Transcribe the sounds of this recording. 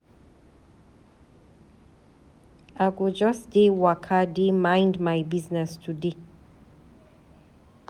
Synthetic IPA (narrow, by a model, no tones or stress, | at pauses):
aɡud͡ʒɔsdewakʰademãɪndmaɪbiznɛstʰude